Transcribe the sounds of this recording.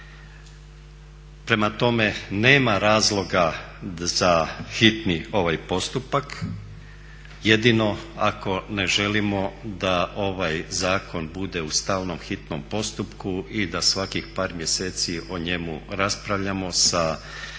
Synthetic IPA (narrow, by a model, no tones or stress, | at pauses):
pɾe̞mat̪o̞me̞ne̞ːmaɾaːzlˠo̞ɡa | z̥axit̪nio̞ʋajpo̞st̪upak | jed̪ino̞ako̞ne̞ʒe̞limo̞d̪aʔo̞ʋajzaːko̞nbud̪e̞ust̪aːlno̞mxit̪nompo̞st̪upkuid̪asʋakixpaːɾmje̞se̞ːt̪siʔoɲe̞mṵɾaspɾaʋʎamo̞sa